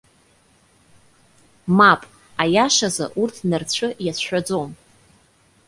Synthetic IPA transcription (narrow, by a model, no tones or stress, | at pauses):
mapʼ | ajaʃaza̰ʔurtʰnɨrt͡ɕʷʰɨjasʷħʷᶣad͡zom